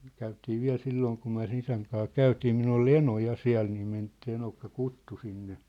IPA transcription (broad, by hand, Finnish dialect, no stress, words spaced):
kæytiː ʋiæ̝l silːoːŋ kum myæ̝ sĕn isæŋ kɑː kæytiː minulː ol eno jɑ siæ̝l niː men se enokːɑ kutːu sinːe